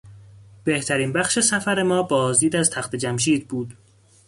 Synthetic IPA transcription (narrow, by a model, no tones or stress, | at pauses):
b̥e̞ht̪ʰæɾiːnbæxʃe̞sæfæɾe̞mɒːbɒːzd̪iːd̪æzt̪ʰæxt̪e̞d͡ʒæmʃiːd̪̚buːd̪̥